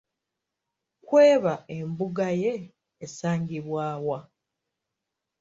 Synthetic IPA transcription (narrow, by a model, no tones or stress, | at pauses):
kweːβae̞mbuɡaje̞ː | saːŋɡiβwaːwa